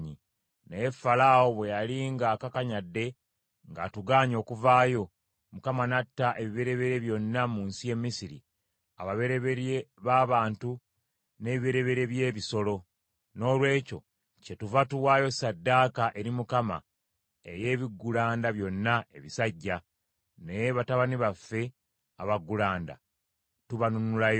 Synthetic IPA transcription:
ɲi | nejefalawo̞βwe̞jaliŋɡaːkakaɲadːe̞ | ŋɡa̰tuɡaːɲo̞ːkuvaːjo̞ | mukamanatːaʔe̞βiβeɾe̞βe̞ɾe̞βjo̞nːamuːnsije̞mːisiɾḭ | aβaβeɾeβeɾeβaːβaːntu | ne̞βiβeɾe̞βe̞ɾe̞βje̞ːβiso̞lo̞ | no̞ːlwe̞ːco̞̰ | ce̞tuvatuwaːjo̞sadːaːkaʔe̞ɾimukama̰ | e̞̰je̞ːβiɡːulaːndaβjo̞nːae̞βisaɟːa | nejeβataβaniβafːe̞ | aβaɡːulaːnda̰ | tuβanunulajo

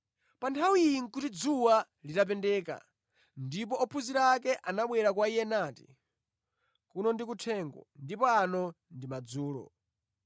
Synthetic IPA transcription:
pantʰawijiŋ̩kutid͡zuwa | litap̬ɛndɛːka̰ | ndipɔɔpʰuziɾaaːkɛʔanaɓwɛɾakwaijɛnaːti̥̰ | kunɔndik̬utʰɛːŋɡɔ̰ndipɔanɔ | ndimad͡zuːlɔ̰

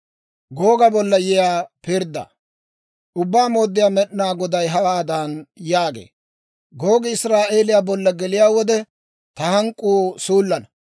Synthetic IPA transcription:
ɡo̞ːɡɐbɔlːɐjɛjaːpɪɾd̪ːɐ̰ | ʔʊbːaːmo̞ːd̪ːɪjaːmɛɗnaːɡɔd̪ɐjɦɐwaːd̪aːnjaːɡḛː | ɡoːɡɪɪsɾaːʔe̞ːlɪjaːbɔlːɐɡɛlɪjaːwɔd̪ɛ | t̪ɐhɐŋkʼːuːsuːlːɐnɐ

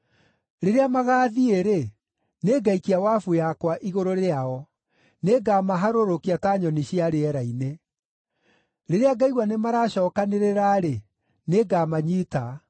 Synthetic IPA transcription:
ɾeɾeamaɣaːðieɾe | neɡaikiawafujakwaʔiɣoɾoɾeaɔ | neɡamaɦaɾoɾokiataɲɔniɕiaɾeɛɾaine | ɾeɾeaɡaiɣwanemaɾaɕɔːkaneɾeɾaɾe | neɡamaɲiːta

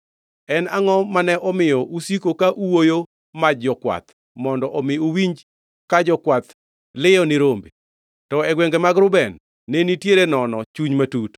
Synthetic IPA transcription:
ɛnaŋɔmanɛʔɔmɪjɔʔusikokaʔuwojo | mad͡ʒɔkwa̰t̪ | mɔndɔʔɔmɪowiɲd͡ʒ | kad͡ʒɔkwat̪ | lɪjɔnɪɾombe | tɔɛɡwɛŋɡemaɡɾʊbɛnː | enitjeɾenɔnɔt͡ʃuɲmatut

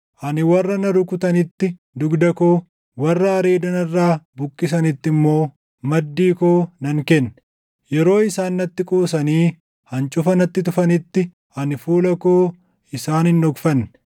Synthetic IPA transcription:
hɐnɪwɐrːɐnɐɾʊkʊt̪ɐnɪt̪ːɪ | d̪ʊɡd̪ɐkoː | wɐrːɐɐɾe̞ːd̪ɐnɐrːaːbʊkʼːɪs̬ɐnɪt̪ːɪmːo̞ː | mɐd̪ːiːkoːnɐŋkɛnː | jɛɾo̞ːɪsaːnːɐt̪ːɪkʼoːsɐniː | hɐnt͡ʃʼʊfɐnɐt̪ːɪt̪ʊfɐnɪt̪ːɪ | hɐnɪfuːlɐkoː | ɪsaːnɪnɔɡfɐn

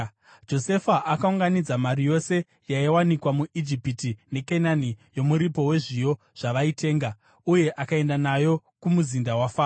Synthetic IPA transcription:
d͡ʒo̞se̞faʔakauŋɡanid͡zamaɾijo̞se̞ | jaiwanikwamuʔid͡ʒipitine̞kenanijo̞muɾipo̞we̞ʐijo̞ | ʐ̥aʋaite̞ːŋɡa | uje̞ʔakae̞ndanajo̞ | kumuzindawafaː

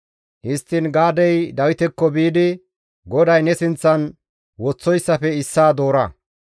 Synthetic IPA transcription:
hɪst̪ːɪnɡaːd̪ɛjd̪ɐwɪt̪ɛkːɔbiːd̪ɪ | ɡɔd̪ɐjnɛsɪnt͡sːɐn | wɔt͡sːɔjsːɐfɛɪsːaːd̪o̞ːɾɐ

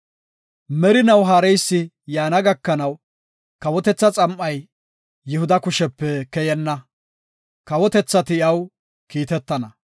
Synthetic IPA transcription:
mɛɾɪnɐwɦaːɾɛjsːɪ | jaːnɐɡɐkːɐnɐw | kɐwɔt̪ɛt͡sːɐt͡sʼɐmʔɐjː | ɪhʊd̪ɐkʊʃɛpːɛkɛjɛnːɐ | kɐwɔt̪ɛt͡sːɐt̪ɪjɐw | kiːt̪ɛt̪ːɐnɐ

